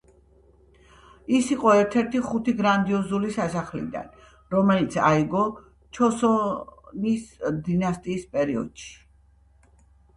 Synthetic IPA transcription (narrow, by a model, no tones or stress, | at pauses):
isiqʼɔɛɾt̪ʰɛɾt̪ʰiχut̪ʰiɡɾand̪iɔzulisasaχlḭd̪a̰n | ɾɔmɛlit̪sʰa̰iɡɔ | t͡ʃʰɔsɔnisd̪inast̪ʼiːspʼɛɾiɔ̰d̪̥ʃi̥